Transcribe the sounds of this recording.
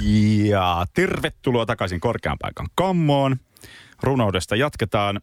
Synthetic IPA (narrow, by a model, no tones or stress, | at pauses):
jɑt̪erʋet̪ːuloːt̪ɑkɑsiŋko̞rkeɑ̰mpɑ̰ikɑ̰ŋkɑmːoːn | runowde̞st̪ɑjɑt̪ket̪ɑːn